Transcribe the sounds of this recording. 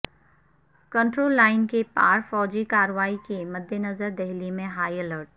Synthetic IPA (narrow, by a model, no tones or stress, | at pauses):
kə̃ɳʈɾoːlːaːɪnkepaːɾfɔːd͡ʒikaːɾʋaːikemɐd̪ʱjənɐzəɾd̪ɛɦlimẽɦaːiɛləːɾʈ̚